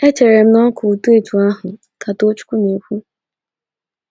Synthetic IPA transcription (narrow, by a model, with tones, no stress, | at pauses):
e˦t͡ʃe˨ɾe˨m̩˦nɔ˦kʊ˨tu˦e˨tu˨a˦ɦʊ˨ | ka˨to˦t͡ʃʊ̥˦ku˦ne˨kʷu˦